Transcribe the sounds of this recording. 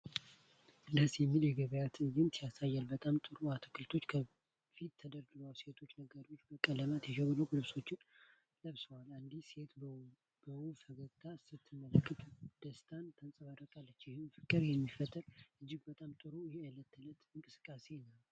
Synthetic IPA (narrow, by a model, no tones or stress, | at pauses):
ɨd̪əsjɛmːiljɛɡəβəjat̪ɨjɪnsijasajːalbət̪ʼamt̪ʼɨɾoat̪ʰə̥kʰɨlt̪ʰo̞t͡ʃːkʰə | fit̪ːʰəd̪əɾɡɨɾalse̞t̪ʰo̞t͡ʃːnəɡəɾiot͡ʃːbəkʼːələmat̪jɛkəβɨləkʼlɨβso̞t͡ʃːɪn | ləβsəwaland̪ise̞t̪ | bəwufəɡət̪ʰʼːasɨt̪ʰːɨmːələkʰʼːɨt̪ʼd̪̥əst̪ʰant̪ʰənsʼəβad̪əkʼalːət͡ʃːjɪhunfɨkʼːɨɾjɛmːifət̪ʼːəɾʔɨd͡ʒːɪɡbət̪ʼamt̪ʼɨɾojɪhealːət̪ʰːɨlət̪ɨŋkʼɨsɨ̥kʼːase̞nəw